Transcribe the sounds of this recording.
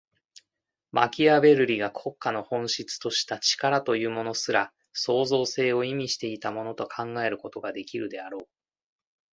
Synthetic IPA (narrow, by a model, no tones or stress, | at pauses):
ma̰kʲiabe̞ɾɯ̟ɾʲiɡakʰo̞kːano̞hõ̞ɰ̃ɕit͡sɨ̥t̪o̞ɕi̥t̪at͡ɕi̥kaɾat̪o̞jɯ̟ːmo̞no̞sɨɾa | so̞ːzo̞ːse̞ːo̞imʲiɕi̥t̪e̞it̪amo̞no̞t̪o̞kʰãŋɡae̞ɾɯ̟ko̞t̪o̞ɡad̪e̞kʲiɾɯ̟d̪e̞aɾo̞ː